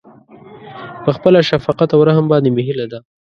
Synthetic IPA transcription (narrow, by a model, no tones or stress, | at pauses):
pəxpəlaʃafɑqat̪awɾaɦəmbɑnd̪emeɦilad̪a